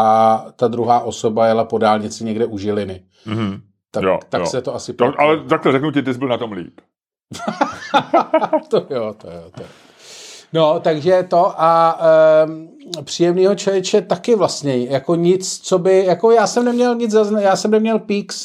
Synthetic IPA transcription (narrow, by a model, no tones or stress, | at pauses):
at̪ad̪ɾuɦaːʔo̞so̞bajɛlapo̞daːlɲɪt͡sɪɲɛɡdɛʔuʒɪlɪnɪ | t̪ajo̰t̪a̰ksɛt̪o̞asɪpoʔalɛt̪ak̚lɛɾɛknucɪt̪ɪzbɪlnat̪omlḭːp | t̪ojot̪ojo̰ːt̪ojo | no̞t̪aɡʒɛt̪o̞ʔa | pr̥iːjɛmniːɦot͡ʃɛvjɛt͡ʃɛt̪akɪvlast̪ɲɛjakoɲɪt͡st͡sobɪjako̞jaːsɛmnɛmɲɛlɲɪd͡zzaznjaːsɛmnɛmɲɛlpiːks